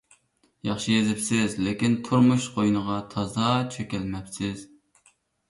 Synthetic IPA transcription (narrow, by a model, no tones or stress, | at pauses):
jɑχʃɨjezɪpsɪzlekʲint̪ʰuɾmuʃqʰojnəʁɑt̪ʰɑzɑt͡ʃʰøkʲɛlmɛpsɪz̥